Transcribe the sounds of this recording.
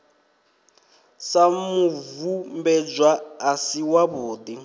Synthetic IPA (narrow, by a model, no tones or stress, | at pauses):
samuvumbɛd͡ʒwaːsiwaβuːd̪i